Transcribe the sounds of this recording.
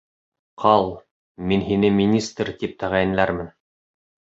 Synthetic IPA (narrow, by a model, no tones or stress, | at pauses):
qʰɑlˠ | minɦinɘmʲinʲist̪rt̪ip̚t̪ʰæʁæjɘ̆nlæɾmɘn